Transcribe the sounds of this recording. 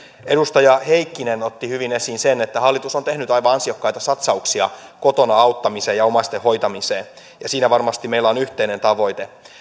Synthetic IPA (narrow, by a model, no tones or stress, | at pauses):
e̞dust̪ɑjɑhe̞ikːinenot̪ːihyʋine̞sinsenet̪ːæhɑlːit̪uso̞nt̪e̞hnyt̪ɑjʋɑɑnsiɑkːɑjt̪ɑsɑt̪sɑuksiɑ̰ko̞t̪o̞nɑɑut̪ːɑmiseːjɑomɑst̪eho̞jt̪ɑmiseː | jɑsiːnæʋɑrmɑst̪imeilːæonyht̪eine̞nt̪ɑʋo̞jt̪e